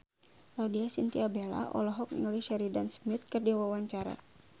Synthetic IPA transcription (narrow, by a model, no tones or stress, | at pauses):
ladiasint̪iabela̰ʔɔ̰lɔɦɔk̚nḭŋuliʃɛɾidansmɪt̪̚kərdiwawaɲt͡ʃaɾa̰